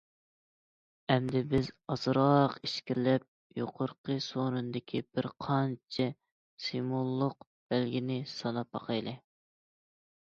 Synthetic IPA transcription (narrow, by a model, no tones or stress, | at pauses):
ɛmd̪ɪbɪzɑzɾɑqiʃkʲiɾlɛp̚ | joqʰoɾqʰəsonɨnd̪ɪkʲʰib̥ɪɾqʰɑnt͡ʃʰɪ | simulˠːʊq | b̥ælɡʲinɪsɑnɑpɑ̰qʰɑjlˠɨ